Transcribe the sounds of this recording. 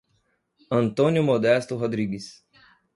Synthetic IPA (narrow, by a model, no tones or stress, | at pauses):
ɐ̃nt̪õnʲjʊmod̪ɛst̪ʊɦod̪ɾiɡɪs